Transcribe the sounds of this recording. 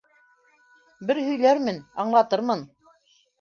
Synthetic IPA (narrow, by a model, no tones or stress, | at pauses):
bɘɾhɵ̆jlæɾmɘnɑɴlˠɑt̪ɤɾmɤn